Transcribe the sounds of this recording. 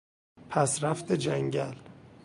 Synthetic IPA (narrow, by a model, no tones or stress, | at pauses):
pʰæsɾæft̪ʰed͡ʒæŋɟæl